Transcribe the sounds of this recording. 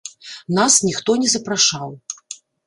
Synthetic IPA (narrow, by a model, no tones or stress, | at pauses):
nasnʲixt̪ɔnʲɛzɐpɾaʂaw